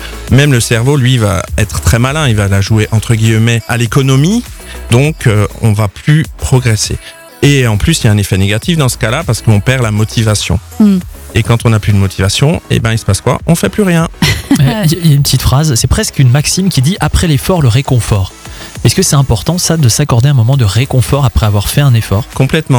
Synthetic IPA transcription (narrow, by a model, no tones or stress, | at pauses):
mɛmləsɛʁvolɥiva̰ɛt̪χə̥t̪χɛmalɛ̃ilvalaʒueʔɑ̃t̪χəɡʲilmɛalekɔnɔmid̪ɔ̃køɔ̰̃vaplypχɔɡʁɛsḛ | eɑ̃plysiljaɛ̃nefɛneɡat̪ifd̪ɑ̃sə̥kalapaʁsə̥kəɔ̃pɛʁlamɔt̪ʰivasjɔ̰̃ | ekɑ̃t̪ɔ̃naplyd̪əmɔt̪ʰivasjɔ̃ḛbɛ̃ilsə̥paskwa̰ʔɔ̃fɛplyʁjɛ̃ | iailjaynpət̪it̪fχazsɛpχɛskynmaksimkʲid̪iʔapχɛlefɔʁləʁekɔ̃fɔʁ | ɛskəsɛt̪ɛ̃pɔʁt̪ɑ̃sad̪əsakɔʁd̪eɛ̃mɔmɑ̃d̪əʁekɔ̃fɔʁapχɛavwaʁfɛɛ̃nefɔːʁkɔ̃plɛt̪mɑ̃